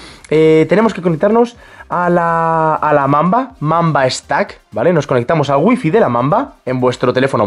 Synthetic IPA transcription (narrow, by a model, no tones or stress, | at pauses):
et̪e̞ne̞mo̞ske̞ko̞nek̚t̪aɾno̞s | alaːlamãmbamãmbaest̪ak | bale̞no̞sko̞ne̞k̚t̪amo̞salɣwifiðelamãmbaembwe̞st̪ɾo̞t̪e̞le̞fo̞no